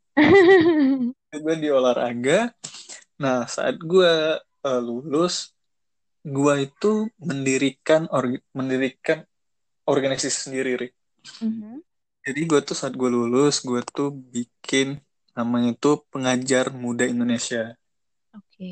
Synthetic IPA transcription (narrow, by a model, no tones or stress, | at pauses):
daɡuadiolaɾa̰ɡa | nahsa̰ʔa̰t̪̚ɡua | əlulʊs | ɡuait̪uməndiɾikanorməndiɾikan | orɡanisasi̥səndiɾiɾɪ | m | d͡ʒadiɡuat̪usaːt̪̚ɡualulʊsɡuat̪ubikʰɪnː | amaŋit̪upəŋad͡ʒarmudaindonesia | oke